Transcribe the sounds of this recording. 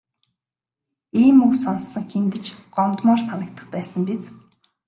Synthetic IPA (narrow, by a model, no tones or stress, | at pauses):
iːmuksɔnsːə̆ŋxent̪ɘ̆t͡ɕɢ̥ɔmt̪mɔːrsanə̆k̚t̪ʰə̆χpæːsə̆mpit͡s